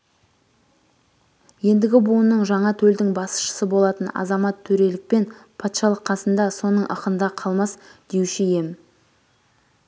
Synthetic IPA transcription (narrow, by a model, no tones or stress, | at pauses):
je̞nd̪ɪɡʲɪbuənːəɴʒɑɴɑt̪ʰɵld̪ɪŋbɑsə̥ʃə̥səbo̞lˠɑt̪ənɑ̰zɑmɑt̪ʰːɵɾe̞lɪk̚pe̞npʰɑt̪ʃɑlˠəqʰːɑsənd̪ɑso̞nəɴʔə̰qənd̪ɑqʰɑlˠmɑsd̪̥ewʃɪje̞m